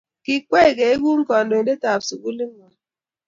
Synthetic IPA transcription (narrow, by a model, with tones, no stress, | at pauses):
ki˦kʷe˦˨ɡe˨e˦ɡu˦ŋ̩˦kɔ˨n˨do˨˦de˦ta˨psu˨ku˦li˦ŋ̩˦wɔ˨